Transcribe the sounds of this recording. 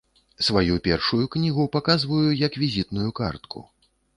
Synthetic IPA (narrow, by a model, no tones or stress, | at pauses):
svajupʲɛrʂujuknʲiɣupakazvɐjujɐkvʲizʲit̪nujuka̰rt̪kʰṵ